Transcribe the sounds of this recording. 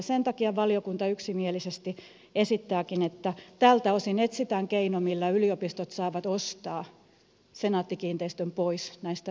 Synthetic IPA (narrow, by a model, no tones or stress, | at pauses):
sent̪ɑkiɑʋɑliokunt̪ɑyksimielisest̪i | esit̪ːæːkinet̪ːæt̪ælt̪æosinet̪sit̪æŋkeinomilːæyliopist̪ot̪sɑːʋɑt̪ost̪ɑː | senɑːt̪ːikiːnt̪eist̪ømpoisnæist̪æ